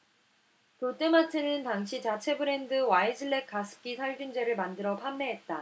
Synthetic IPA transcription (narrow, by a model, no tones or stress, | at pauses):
tot͈ematʰenɯntaŋɕʰit͡ɕat͡ɕʰe̞bɯɾe̞ndɯwaed͡ʑɯɭːe̞k͈ʰasʰɯ̥k͈isʰaɭɡund͡ʑe̞ɾɯɭmandɯɾʌpʰamːe̞ɦet̚t͈a